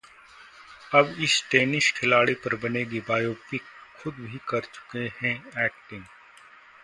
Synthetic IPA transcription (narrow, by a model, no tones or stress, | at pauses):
ɐbɪsʈeːnɪʃkʰɪlaːɽipɐɾbɐneːɡibaːjoːpɪkxʊd̪bʱikɐɾt͡ʃʊ̥kehɛ̃ɛːk̚ʈɪ̃ŋɡ